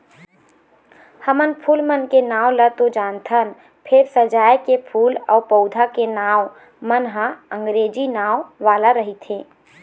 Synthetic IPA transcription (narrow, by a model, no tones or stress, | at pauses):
həmənpʰuːlmənkenaːwlət̪od͡ʒaːnt̪ʰən | pʰɪɾsəd͡ʒaːjkepʰuːlɔːɾpəʊd̪ʱakenaːw | mənɦəə̃ŋɡɾeːd͡ʒinaːwʋaːlaɾəɦit̪ʰẽː